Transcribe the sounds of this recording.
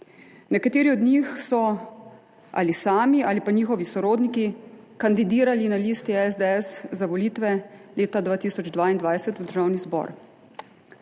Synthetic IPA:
nɛkat̪eːɾiɔd̪nixsɔ | a̰lisaːmiʔalipaniːxɔʋisɔɾoːd̪niki | kand̪id̪iːɾalinaliːst̪iɛzd̪eɛszaʋɔliːt̪ʋɛleːt̪ad̪ʋaːt̪iːsɔd͡ʒd̪ʋaːind̪ʋajsɛt̪uwd̪əɾʒaːwnizbɔ̰ɾ

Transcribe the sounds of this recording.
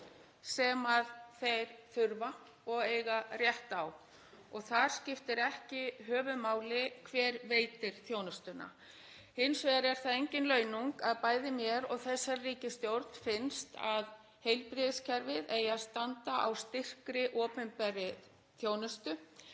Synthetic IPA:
sɛmaðθejɾ̥θʏɾva | ɔɣeːjɣar̥jɛht̪aw | ɔɣθaɾ̥scɪft̪ɪɾɛhcɪɦœːvʏmaːwlɪkʰvɛːɾveːjt̪ɪɾ̥θjoːwnʏst̪ʏna̰ | hɪnsveːðaɾɛɾ̥θaðejɲcɪnlœːɥnuŋkaðpaːjðɪmjɛɾɔɣθɛsːaɾriːcɪst̪jowɾt̪n̥fɪnst̪að | hejlpɾɪðɪscʰɛɾvɪðejast̪ant̪aʔa̰wst̪ɪr̥kɾɪʔɔːpʏmpɛɾɪ | θjoːwnʏst̪ʏ

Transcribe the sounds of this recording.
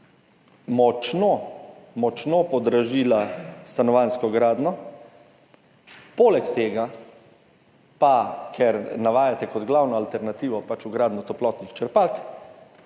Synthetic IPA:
mɔt͡ʃnomɔt͡ʃnopɔd̪ɾaʒiːlast̪anɔʋaːnskɔɡɾaːd̪nɔ | poːlɛkt̪eːɡa | pakʰɛɾnaʋaːjat̪ɛkɔd̪ɡlawnɔalt̪ɛɾnat̪iːʋɔpat͡ʃuɡɾaːd̪nɔt̪ɔplɔːt̪nixt͡ʃɛɾpalk

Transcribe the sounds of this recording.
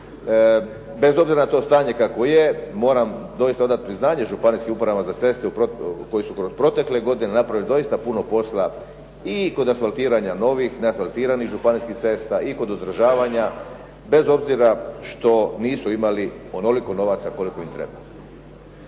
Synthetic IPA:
be̞zobziɾanat̪o̞st̪aːɲe̞kakʋo̞jemo̞ːɾamd̪o̞jist̪aod̪at̪̚pɾiznaːɲeʒupaniskiupɾamazat̪se̞st̪eupɾoko̞jisukɾo̞spɾo̞t̪e̞kleɡo̞d̪ine̞napɾaʋild̪o̞ist̪apuno̞po̞sla | iko̞d̪asfalˠt̪iːɾaɲano̞ʋixneasfalˠt̪iːɾaniɣʒupaniskixt̪se̞st̪aʔiko̞d̪od̪r̩ʒaːʋaɲa | be̞zo̞bziɾaʃt̪o̞niːsuimaliono̞liko̞no̞ʋat̪sako̞liko̞imt̪ɾe̞̰ba

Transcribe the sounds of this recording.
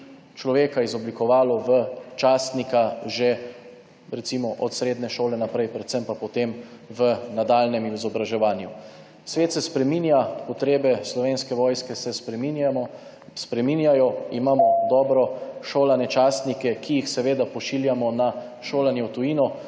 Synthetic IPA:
t͡ʃlɔʋeːkaizɔblikɔʋaːlɔʋət͡ʃaːst̪nikaʒe | ɾɛt̪simɔʔɔt̪sɾeːd̪nɛʃoːlɛnapɾɛjpɾɛt̪sɛmpapɔt̪emʋənad̪aːlnɛmiizɔbɾaʒɛʋaːnju | sʋeːt̪sɛspɾɛminjapɔt̪ɾeːbɛslɔʋeːnskɛʋɔːjskɛsɛspɾɛminjamɔ | spɾɛminjajɔimaːmɔd̪ɔːbɾɔʃoːlanɛt͡ʃaːst̪nikɛkʰijixsɛʋeːd̪apɔʃiːljamɔna | ʃoːlanjɛwt̪ujiːnɔ

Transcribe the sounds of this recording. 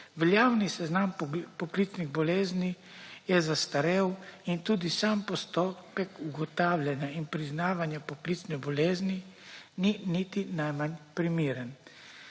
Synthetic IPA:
ʋɛljaːwnisɛznampɔkliːsniɣbɔleːzni | jɛzast̪aɾewint̪uːd̪isaːmpɔst̪oːpɛkuɡɔt̪aːwljɛnjainpɾiznaːʋanjɛpɔkliːsnɛbɔleːznininit̪inajmanpɾimiːɾən

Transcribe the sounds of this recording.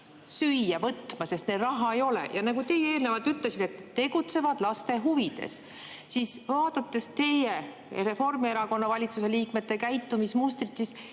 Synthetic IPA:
syjːɑvɤt̪ːˑmɑse̞st̪ned̪̥rɑɦɑe̞jo̞lḛjɑnɑɡut̪e̞jeeːlnevɑlt̪yt̪le̞sid̪̥e̞t̪ːe̞ɡut̪se̞vɑd̪̥lɑst̪e̞ɦuvid̪̥e̞̰s | sisvɑːd̪̥ɑt̪ːˑe̞st̪e̞je | ɾe̞fo̞rmieɾɑko̞nːɑvɑlʲit̪suse̞liːkme̞t̪ːˑe̞kæjt̪ːumismust̪rit̪sis

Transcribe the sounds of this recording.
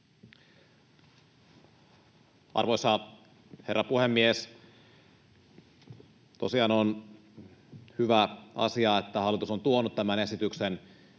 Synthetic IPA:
ʔɑ̰rʋojsɑ | herːɑpuhemːies | t̪osiɑnon | hyʋæɑ̰siɑet̪ːæhɑlːˑit̪usont̪uonut̪t̪æmæne̞sit̪yksen

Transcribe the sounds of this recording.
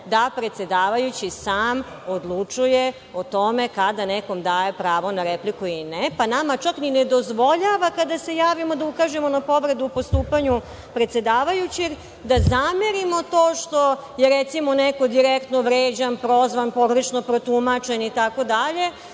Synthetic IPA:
d̪apɾe̞t̪se̞d̪aːʋajut͡ɕisaːm | od̪lˠut͡ʂuje | ot̪o̞mekad̪aneko̞md̪aje̞pɾaːʋo̞naɾeplikuilinepanamat͡ʃaknined̪o̞zʋo̞ʎaʋakad̪ase̞jaːʋimo̞d̪aukaʒemo̞napo̞ʋɾe̞d̪uːpo̞st̪uːpaɲu | pɾet̪se̞d̪aːʋajut͡ɕeɡ | d̪azameɾimo̞t̪oːʃt̪o̞ | jeɾet̪simo̞neko̞d̪iɾekt̪noʋɾeːd͡ʑanpɾo̞zʋanpo̞ɡɾet͡ʃnopɾot̪umat͡ʃe̞nit̪ako̞d̪aʎe̞

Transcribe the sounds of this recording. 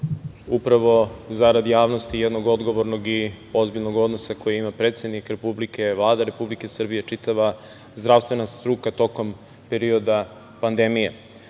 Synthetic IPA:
upɾaʋo̞zaɾad̪jaːʋno̞st̪ijed̪noɡo̞d̪ɡo̞ʋo̞ɾno̞ɡi | o̞zbiʎnoɡo̞d̪nosako̞jiimapɾet̪se̞d̪nikɾe̞publike̞ʋlˠaːd̪aɾe̞publike̞sr̩bije̞t͡ʂit̪aʋa | zd̪ɾaʋst̪ʋe̞nast̪ɾukat̪o̞ko̞m | pe̞ɾio̞d̪a | pand̪e̞mijḛ

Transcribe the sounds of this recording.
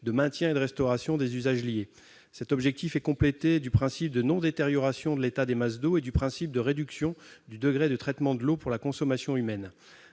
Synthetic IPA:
d̪əmɛ̃t̪jɛ̃ed̪əʁɛst̪ɔʁasjɔ̃d̪ezyzaʒlje | sɛt̪ɔbʒɛk̚t̪ifɛkɔ̃plet̪ed̪ypχɛ̃sip̚d̪ənɔ̃d̪et̪eʁjɔʁasjɔ̃d̪əlet̪ad̪emasd̪oed̪ypχɛ̃sip̚d̪əʁed̪yksjɔ̃d̪yd̪əɡʁed̪ət̪χɛt̪mɑ̃d̪əlopuʁlakɔ̃sɔmasjɔ̃ymɛn

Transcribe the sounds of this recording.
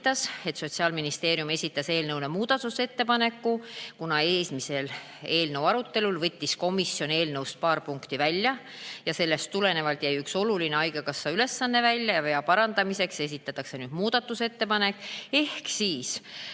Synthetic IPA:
t̪ːˑɑse̞t̪so̞t̪ʲsiɑːlminist̪e̞ːɾjume̞sʲit̪ːˑɑse̞ːlnɤwnemuːd̪̥ɑt̪ːˑuse̞t̪ːe̞pɑne̞kːukunɑe̞ːsmise̞l | e̞ːlnɤwɑɾut̪ːˑe̞lulvɤ̞t̪ʲːisko̞misːio̞ne̞ːlnɤwst̪̚pɑːrpuŋkt̪ivælʲːjɑ | jɑse̞lːe̞st̪ːule̞ne̞vɑlt̪jæjykso̞lulineɑjɡekɑsːɑyle̞sːɑnːe̞vælʲjɑjɑveɑpɑɾɑnd̪̥ɑmise̞kse̞s̬ʲit̪ːˑɑt̪ːˑɑkse̞nyːd̪̥muːd̪̥ɑt̪ːˑuse̞t̪ːe̞pɑne̞kːˑe̞hksiːs

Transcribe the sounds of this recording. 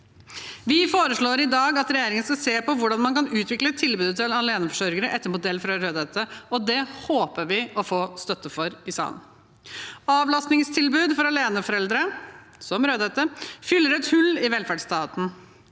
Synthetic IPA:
ʋɪfoːɾəʂɭoːɾɪd̪ɑːɡɑt̪ɾɛjeːɾɪŋənskɑseːpɔʋʊɖɑnmɑnkɑnʉːt̪ʰʋɪklət̪ʰɪlbʉːd̪ət̪ʰɪlɑleːnəfɔʂœɾɡəɾəʔɛt̪ːəmut̪̚d̪ɛlfɾɑɾøːd̪ɛt̪əɔd̪ɛhoːpəʋɪɔfoːst̪œt̪ːəfɔɾɪsɑ̰ːlən | ɑːʋlɑst̪nɪŋst̪ʰɪlbʉːd̪fɔɾɑleːnəfɔɾɛld̪ɾə | sɔmɾøːd̪ɛt̪əfʏlːəɾɛt̪hʉlːɪʋɛlfæɖst̪ɑːt̪n̩

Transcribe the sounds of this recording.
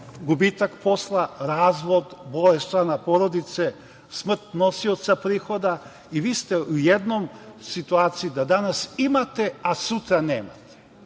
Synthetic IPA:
ɡubit̪akpʰoslˠaɾaːzʋod̪bolest̪anapoɾod̪it̪sɛ | smr̩t̪nosiot̪sapɾixod̪a | iʋiːst̪ɛujɛd̪nomsit̪uaːt̪siid̪ad̪anasimat̪easut̪ɾaneːma̰t̪e̥

